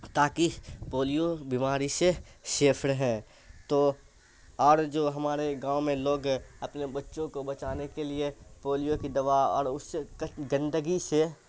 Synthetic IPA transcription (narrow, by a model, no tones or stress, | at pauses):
t̪aːkipoːlijobimaːɾiseʃeːpʰɾɦɛ̃ː | t̪oː | ɔːɾd͡ʒoːɦɐmaːɾeɡãːomẽloːɡɐpnebɐtːʃõkobɐt͡ʃaːnekeliepoːlijokid̪ɐʋaːɔ̰ːɾʊsːeɡə̃nd̪əɡise